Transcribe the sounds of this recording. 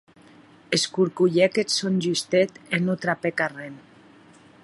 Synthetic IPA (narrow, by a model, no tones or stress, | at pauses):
eskuɾkuʎɛkesonʲʒyst̪et̪enot̪ɾapekaren